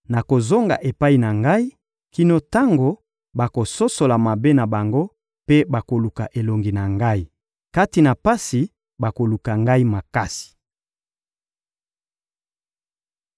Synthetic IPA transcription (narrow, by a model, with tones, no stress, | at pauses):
na˨ko˨zo˦ŋɡa̰˨ʔe˨pa˦i˨na˨ŋɡa˦i˦ | ki˦no˦ta˦ŋɡo˨ | ba˨ko˨so˦so˨la˨ma˨be˦na˨ba˨ŋɡo˦ | pe˦ba˨ko˨lu˨ka̰˨ʔe˨lo˨ŋɡi˨na˨ŋɡa˦i˨ | ka˦ti˨na˨pa˦si˨ | ba˨ko˨lu˨ka˨ŋɡa˦i˦ma˨ka˦si̥˨